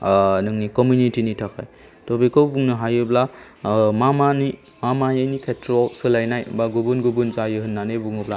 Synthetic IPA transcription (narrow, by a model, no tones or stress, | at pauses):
nɯŋnikɔmjunitinitʰakʰaj | tobikɔwbuŋnɯɦajɯbla | mamani | mamajajnikʰetʰɾɔsɯlajnajbaɡubunɡubunzajɯɦɯnːanebuŋubla